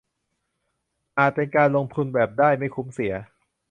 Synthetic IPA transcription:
ʔaː˨˩t̪̚pe˧nkaː˧nlo˧ŋt̪ʰu˧nbɛː˨˩p̚daː˥˩jma˥˩jkʰu˨˩˦msi˨˩˦ɐ

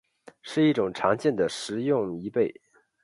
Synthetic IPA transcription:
ʂɻ̩˥˧i˥˩ʈ͡ʂʊ˨˩ŋʈ͡ʂʰɑ˧˥ŋt͡ɕjɛ˥˩nd̪ə˩ʂɻ̩˧˥jʊ˥˧ŋi˧˥pe˥˩ɪ

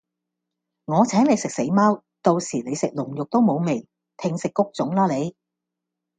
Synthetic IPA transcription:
ŋɔː˨˧t͡sʰɛː˨˥ŋle˨˧jsɪ˨k̚se˨˥jmaː˥w | t̪o˧wsiː˨˩ne˨˧jsɪ˨k̚lʊ˨˩ŋjʊ˨k̚t̪o˥wmo˨˧wme˨˩j | t̪ʰɪ˧ŋsɪ˨kːʊ˥k̚t͡sʊ˨˥ŋlaː˥le˨˧j

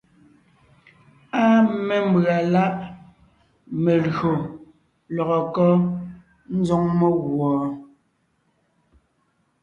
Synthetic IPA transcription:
a˦mɛ˨m̩˦bɰa˨la˦ʔ | me˨lɣo˨ | lɔ˨ɣɔ˨kɔ˦ | n̩˦d͡zɔ˦ŋme˦ɣwɔː˨

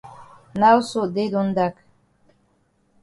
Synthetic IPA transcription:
na˦wso˨d̪e˦d̪u˦nd̪a˦k

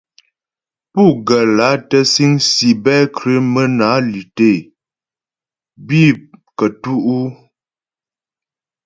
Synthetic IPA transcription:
pu˦˨ɡə˨la˨˦tə˦si˦ŋsi˨bɛ˦kɾə˦mə˦na˨˦li˨te˦˨ | bi˦˨kə˨tu˦ʔu˦

